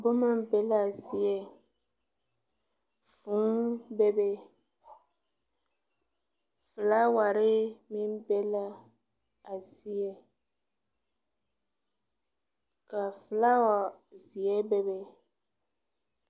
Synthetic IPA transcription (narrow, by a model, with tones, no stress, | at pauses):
bʊ˦ma˦bɛ˦la˦˨si˦ɛ˨ | fũ˨˦bɛ˦bɛ˦ | fɨ˨la˦wa˨ɾɪ˦mi˦m˦bɛ˦la˦ | a˨si˦ɛ˦ | ka˨fɨ˨la˦wa˨zi˨ɛ˦bɛ˦bɛ˨